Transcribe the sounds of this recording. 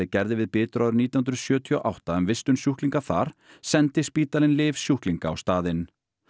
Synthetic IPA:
ɪcɛɾðɪvɪðpɪːt̪ʏɾʔaðʏɾniːt̪iahʏnɾʏsjœːt̪ʰiɔ̰ʔawht̪aɛmvɪst̪ʏnsjuhkliŋkaθa̰ɾ̥ | sɛnt̪ɪspiːt̪alɪnlɪːvsjuhkliŋkaːwst̪aːðɪn

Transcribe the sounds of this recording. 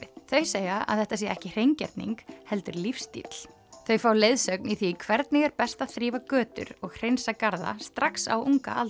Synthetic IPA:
θœɥseːjaa̰ðθɛht̪asiɛɛhcɪr̥ejɲcɛ̰ɾt̪nḭŋkhɛl̪t̪ʏɾlifst̪ḭt̪l̥ | θœɥfaːwlejðsœkniθikʰvɛɾt̪nɪɣɛɾpɛst̪aθɾiːvakœːt̪ʏ̰ɾɔɣr̥ejnsakaɾða̰st̪ɾaksa̰wuŋka̰ʔa̰l

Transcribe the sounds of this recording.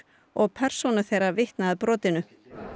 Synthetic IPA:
ɔɣpʰɛr̥sonʏ̥θejɾavɪht̪naaðpɾɔːt̪ɪnʏ

